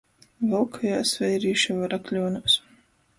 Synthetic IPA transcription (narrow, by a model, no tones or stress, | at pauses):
valkʰajaːsvʲɛjɾiːʃavaɾaklʲuːnus